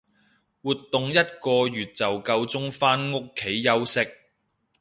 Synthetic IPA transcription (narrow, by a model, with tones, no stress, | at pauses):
wuː˨˩t̪ːʊ˨ŋjɐ˥t̚kɔː˧jyː˨t̚t͡sɐ˨wkɐ˧wt͡sʊ˥ŋfaː˥nŋʊ˥kʰːe˨˥jːɐ˥wsɪ˥k̚